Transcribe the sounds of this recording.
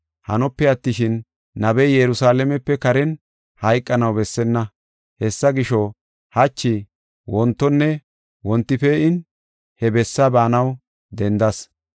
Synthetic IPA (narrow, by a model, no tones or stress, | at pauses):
hɐ̰nɔpːɛɐt̪ːɪʃɪnː | ɐbɛjjɛɾʊsaːlɛmɛpːɛkɐɾɛn | hɐjkʼːɐnɐwbɛsːɛnːɐ | hɛsːɐɡɪʃɔ | hɐt͡ʃːɪ | wɔnt̪ːɔnːɛ | wɔnt̪ːɪfɛɪn | hɛbɛsːabaːnɐw | d̪ɛnd̪ɐs